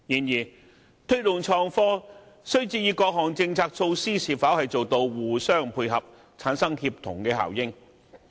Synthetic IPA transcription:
jiː˨˩njiː˨˩ | t̪ʰɵ˥ɥt̪ʊ˨ŋt͡ʃʰɔː˧ŋfɔː˥ | sɵ˥ɥt͡siː˧jiː˨˧kɔː˧k̚ɦɔː˨˩ŋt͡sɪ˧ŋt͡sʰaː˧k̚sʰo˧wsiː˥siː˨˩faː˨˥whɐ˨jt͡so˨wt̪o˧wwuː˨˩sœː˥˩ŋpʰuː˧jɦɐ˨p̚ | t͡sʰaː˨˥nsɐ˥ŋhiː˧p̚t̪ʰʊ̰˨˩ŋkɛː˧ɦa̰ː˨˩wjɪ˥ŋ

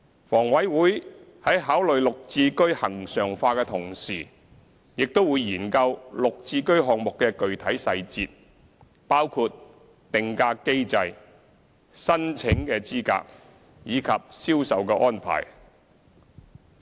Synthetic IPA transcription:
fɔː˨˩ŋwɐ˨˥jwuː˨˥jhɐ˨˥jɦaː˨˥wlɵ˨ɥlʊ˨k̚t͡siː˧kɵ˥ɥhɐ˨˩ŋsœː˨˩ŋfaː˧kɛː˧t̪ʰʊ˨˩ŋsiː˨˩ | jɪ˨k̚t̪o˥wuː˨˧jːiː˨˩nkɐ˧wlʊ˨k̚t͡siː˧kɵ˥ɥɦɔː˨ŋ̚mʊ˨kːɛː˧kɵ˨ɥt̪ʰɐ˨˥jsɐ˧jt͡sḭː˧t̚ | paː˥wkʰuː˧t̚ | t̪ɪ˨ŋkaː˧kːe˥jt͡sɐ˧j | sɐ˥nt͡sʰɪ˨˥ŋkɛː˧t͡siː˥ka̰ː˧k̚ | jiː˨˧kʰɐ˨p̚siː˥wsɐ˨wkɛː˧ʔɔː˥npʰa̰ː˨˩j

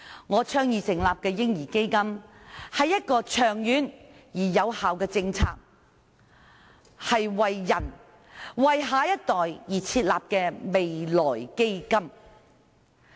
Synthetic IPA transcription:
ŋɔː˨˧t͡ʃʰœː˥ŋjiː˨˩sɪ˨˩ŋlaː˨p̚kɛː˧jɪ˥ŋjiː˨˩ke˥jkɐ˥mhɐ˨jːɐ˥t̚kɔː˧t͡ʃʰœː˨˩ŋjyː˨˥njiː˨˩jɐ˨˧whaː˨wkɛː˧t͡sɪ˧ŋt͡sʰa̰ː˧k̚ | hɐ˨jwɐ˨jːɐ˨˩n | wɐ˨jɦaː˨˧˥jɐ˥t̚t̪ɔː˨jjiː˨˩t͡sʰiː˧t̚laː˨p̚kɛː˧me˨jlɔː˨˩jke˥jkɐ˥m

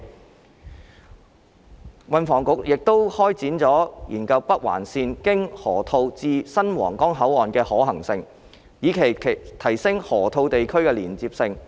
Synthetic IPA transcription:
wɐ˧nfɔː˨˩ŋkʊ˨˥k̚jɪ˨k̚t̪o˥whɔː˥jt͡siː˨˥nt͡sɔː˨˥jiː˨˩nkɐ˧wpɐ˥k̚wa̰ː˨˩nsiː˧nkɪ˥ŋhɔː˨˩t̪ʰo˧wt͡siː˧sɐ˥nwɔ̰ː˨˩ŋkɔː˥ŋɦɐ˨˥wɔː˨nkɛː˧hɔː˨˥hɐ˨˩ŋsɪ˧ŋ | jiː˨˧kʰe˨˩jʰt̪ʰɐ˨˩jsɪ˥ŋhɔː˨˩t̪ʰo˧wt̪e˨jkʰɵ˥ɥkɛː˧liː˨˩nt͡siː˧p̚sɪ˧ŋ

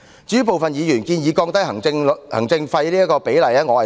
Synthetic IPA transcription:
t͡ʃyː˨˥p̬o˨wfɐ˨njiː˨˧jyː˨˩nkiː˧njiː˨˧kɔː˧ŋt̪ɐ˥jɦɐ˨˩ŋɪ˧ŋhɐ˨˩ŋt͡sɪ˧ŋfɐ˧jliː˥jɐ˥kɔː˧pe˨˥jlɐ˨˩jɐː˥ŋɔː˨˧hɐ˨˩

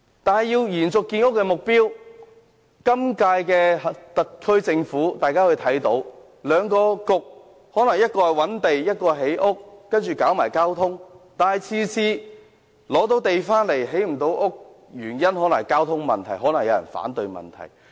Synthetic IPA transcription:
t̪aː˨nɦɐ˨jiː˧wjiː˨˩nt͡sʊ˨kːiː˧nʊ˥k̚ːɛ˧mʊ˨k̚piː˥w | kɐ˥mkaː˧jkɛː˧ht̪ɐ˨t̚kʰɵ˥ɥt͡sɪ˧ŋfuː˨˥t̪aː˨jkaː˥hɵ˨˧t̪ʰɐ˨˥jt̪o˨˥w | lœː˨˧ŋkɔː˧kʊ˨˧k̚ | hɔː˨˥nɐ˨˩ŋjɐ˥t̚kɔː˧hɐ˨˩wɐ˨˥nt̪e˨jjɐ˥t̚kɔː˧ɦe˨˥jʔʊ˥k̚ːɐ˥nt͡ʃyː˨kaː˨˥wmaː˨˩jkaː˥wt̪ʰʊ˥ŋt̪aː˨nhɐ˨jt͡sʰiː˧t͡sʰiː˧ | lɔː˨˥t̪̬o˨˥wt̪e˨jfaː˥nle˨˩jɦe˨˥jm̩˨˩t̪o˨˥wʔʊ˥k̚ | jyː˨˩njɐ˥nɦɔː˨˥nɐ˨˩ŋkaː˥wt̪ʰʊ˥ŋmɐ˨˩nt̪ʰɐ˨˩jɦɔː˨˥nɐ˨˩ŋjɐ˧wjɐ̰˨˩nfa̰ː˨˥nt̪ɵ˨˧ɥmɐ̰˨nt̪ʰɐ̰˨˩j

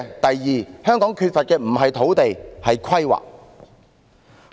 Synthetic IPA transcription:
t̪ɐ˨jːiː˨hœː˥ŋkɔː˨˥ŋkʰyː˧t̚fɐ˨t̚kɛː˧m̩˨˩ɦɐ˨jt̪ʰo˨˥wt̪e˨jhɐ˨jkʰɐ˥jwa̰ː˨˩k̚

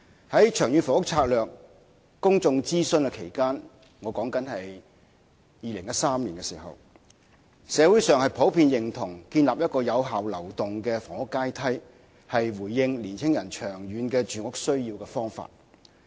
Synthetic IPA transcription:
hɐ˨˥jt͡ʃʰœː˨˩ŋjyː˨˧nfɔ˨˩ŋʊ˥k̚t͡sʰaː˧k̚lœː˨kː | ʊ˥ŋt͡sʊ˧ŋt͡siː˥sɵ˧nkɛ˧kʰe˨˩jkaː˥n | ŋɔː˨˧kɔː˨˥ŋkɐ˨˥nhɐ˨j | jiː˨˧lɪ˨˩ŋjɐ˥tsaː˥mliː˨˩nkɛː˧siː˨˩hɐ̰˨w | sɛː˨˧wu˨˥jsœː˨˧ŋhɐ˨jpʰo˨˥wpʰiː˧njɪ˨ŋt̪ʰʊ˨˩ŋkiː˧nlaː˨p̚jɐ˥t̚kɔː˧jɐ˨˧wɦaː˨wlɐ˨˩wt̪ʊ˨ŋkɛː˧fɔː˨˩ŋʊ˥kːaː˥jt̪ʰɐ˥j | hɐ˨jwuː˨˩jːɪ˧ŋliː˨˩nt͡sʰɪ˥ŋjɐ˨˩nt͡ʃʰœː˨˩ŋɥyː˨˥nkɛː˧t͡ʃyː˨˧ŋʊ˥k̚sɵ˥ɥjiː˧wkɛː˧fɔː˥ŋfa̰ː˧t̚

